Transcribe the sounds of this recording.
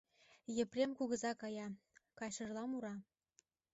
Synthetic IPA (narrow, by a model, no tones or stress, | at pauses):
jə̆prʲemkuɣə̆zɑkɑjɑ | kɑjʃɤ̆rlɑmuɾɑ